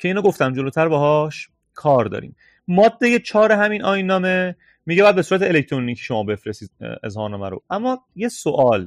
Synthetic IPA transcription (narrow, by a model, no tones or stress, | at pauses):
cʰeiːnoɡoft̪æmd͡ʒoloːt̪ʰæɾbɒɦɒːʃ | kʰɒːɾd̪ɒ̰ːɾḭːm | mɒːd̪ːe̞je̞t͡ʃʰɒːɾeɦæminʔɒːjnːɒːme | miɟeæːæd̪besuːɾæt̪ʰeelekʰt̪ʰɾoniːcʰi̥ʃomɒːbe̞fɾest̪iːd̪̚ḛzhɒːnemæ̰ɾo̰æmːɒje̞soʔɒːl